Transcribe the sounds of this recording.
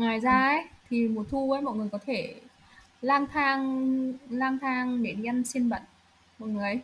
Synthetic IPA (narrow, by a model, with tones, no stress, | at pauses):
ŋwaː˨˩jzaː˧ʔə˨˦jt̪ʰi˨˩mo˨˩t̚t̪ʰu˧vəː˨˦jmɔ̰˧˨ŋɨ˨˩əjkɔ˨˦t̪ʰe˧˩ | laː˧nt̪ʰaː˧ŋ | laː˧mt̪ʰaː˧ŋɗe˨˦ni˧msi˧ənɓə̰˧˨ŋ | mɔ̰˧˨ŋɨ˨˩əjj